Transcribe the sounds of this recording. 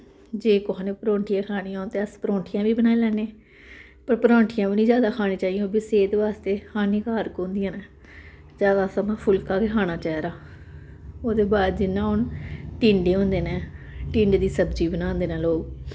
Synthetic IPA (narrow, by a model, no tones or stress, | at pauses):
d͡ʒeːkoɦãːnẽːpəɾõːɳʈʰijãːkʰaːniːaːnt̪eːəspɾõːɳʈʰɪjãːbiːbənaːelɛːneː | pəɾpəɾõːɳʈʰɪjãːʋiːnĩːd͡ʒjaːd̪aːkʰaːnẽːt͡ʃaːij̃oːbiseːt̪ʋaːst̪eːkʰaːnĩːkaːɾkoːnd̪ijãːneː | d͡ʒaːd̪aːsəmãːpʰʊlkaːkekʰaːñaːt͡ʃɛːɾaː | oːd̪eːbaːd̪̚d͡ʒɪnːãːʊnʈĩːɳɖeːɦʊ̃nd̪eːnɛ̃ːʈĩːɳɖd̪iːsəbd͡ʒiːbənãːnd̪eːnãːloːɡ